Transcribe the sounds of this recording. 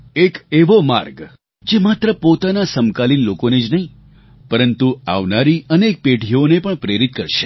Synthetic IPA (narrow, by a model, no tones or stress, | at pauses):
ekeʋoma̰ɾɡ | d͡ʒemat̪ɾəpot̪anasəmkalinlokoned͡ʒnəɦĩ | pəɾənt̪ua̰ʋnaɾiʔənek̚peʈionepəɳpɾeɾit̪kəɾʃe̥